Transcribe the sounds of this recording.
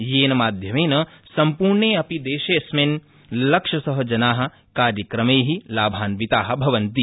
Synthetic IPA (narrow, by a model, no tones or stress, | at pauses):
jeːnɐmaːd̪ʱjɐmeːnɐsɐmpuːɾɳeːɐpid̪eːʃeːsmeːn | lɐkʂɐsɐɦɐd͡ʒɐnaːɦɐ̆ | kaːɾjɐkɾɐmeːɦilaːbʱaːnʋit̪aːɦɐ̆bʱɐʋɐnt̪i